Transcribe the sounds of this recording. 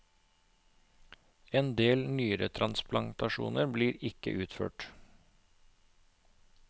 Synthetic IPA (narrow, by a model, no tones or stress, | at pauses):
eːnd̪eːlnyːəɾət̪ʰɾɑnsplɑnt̪ɑʃṵːnəɾbliːɾɪkə̰ʔʉːt̪fø̰ːʈ